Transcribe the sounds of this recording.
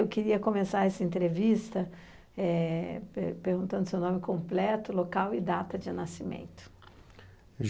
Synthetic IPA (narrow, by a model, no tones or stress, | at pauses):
ewkiɾiɐkõmesaɾɛsɐẽnt̪ɾevist̪ɐ | ɛppeɾɡũnt̪ɐ̃nd̪ʊsewnõmɪkõplɛt̪ʊlokawɪd̪at̪ɐd͡ʒɪnasimḛ̃nt̪ʊ̥ | ʒ